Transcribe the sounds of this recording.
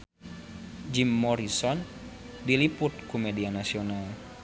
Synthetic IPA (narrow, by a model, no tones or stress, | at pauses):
d͡ʒimːɔɾisɔn | dilipʊt̪̚kumedianasional